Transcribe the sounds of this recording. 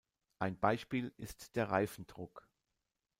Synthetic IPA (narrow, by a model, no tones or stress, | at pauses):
ʔaɪnbaɪʃpiːlɪstd̥eːɐʁa̰ɪfn̩d̥ʁʊk